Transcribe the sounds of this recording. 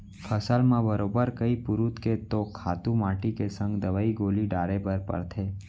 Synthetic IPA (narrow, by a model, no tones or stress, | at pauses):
pʰəsəlmãbəɾoːbəɾkəipʊɾut̪ket̪okʰaːt̪ũmaːʈikesə̃ŋɡd̪əʋaːiɡoːliɖaːɾebəɾpə̰ɾt̪ʰeː